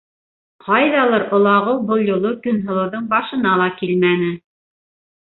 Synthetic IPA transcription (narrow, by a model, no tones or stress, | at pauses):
qʰɑjðɑlˠɤɾʔŏlˠɑʁɤwbɤlˠjŏlˠɤkɵ̆nɦɤ̆lˠɤ̆wðɤɴbɑʃɤ̆nɑlˠɑkilmænɘ